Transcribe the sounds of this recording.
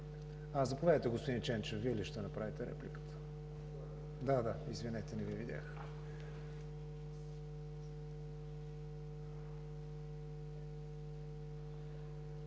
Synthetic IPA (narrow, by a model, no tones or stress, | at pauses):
azɐpovʲad̪ət̪ɛɡospod̪int͡ʃɛnt͡ʃənviɛliʃt̪ɛnɐpɾavit̪ɛɾɛ̰plikə̥t̪ʰə̥ | d̪ad̪aizvinɛt̪ɛnɛvivid̪ʲa̰x